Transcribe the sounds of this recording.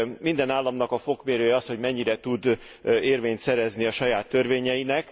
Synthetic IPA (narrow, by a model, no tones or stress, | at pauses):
mind̪ɛnaːlːɒmnɒkɒfo̞kmeːɾøːjɛɒst̪ho̞ɟmɛɲːiɾɛt̪ud̪ | eːrveːɲt̪sɛɾɛzniɒʃɒjaːt̪ːø̞rveːɲɛjinɛk